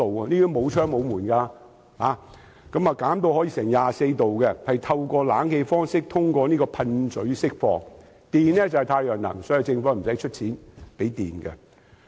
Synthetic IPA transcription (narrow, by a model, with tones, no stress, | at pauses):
o˨wniː˥mo˨˧wt͡ʃʰœː˥ŋmo˨˧wmuː˨˩nkaː˧ | haː˨ | kɐ˨˥maː˨kaː˨˥mt̪o˧whɔː˨˥jiː˧sɛː˨˩ŋjaː˨se˧jt̪o˨wkɛ˧hɐ˨jt̪ʰɐ˧wkɔː˧la̰ː˨˥nhe˧jfɔː˥ŋsɪ˥k̚t̪ʰʊ˥ŋkʷɔː˧niː˥kɔː˧pʰɐ˧nt͡sɵ˨˥ɥsɪ˥k̚fɔ̰ː˨˥ŋ | t̪iː˨nɛː˥t͡sɐ˨hɛ˨jt̪ʰaː˧jœː˨˩ŋnɐ̰˨˩ŋsɔː˨˥ji˨˩t͡sɪ˧ŋfɔː˧˥m̩˨˩sɐ˨˥jt͡ʃʰɵ˥t̚t͡sʰiː˨˥npe˨˥jt̪ḭː˨˩nɡɛ̰˧